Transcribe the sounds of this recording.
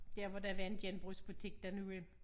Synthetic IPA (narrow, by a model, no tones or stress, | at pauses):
d̥æɐ̰ʋɒd̥æʋænd̥jenb̥ʁøsb̥ut͡sʰe̝ɡ̥̚d̥ænue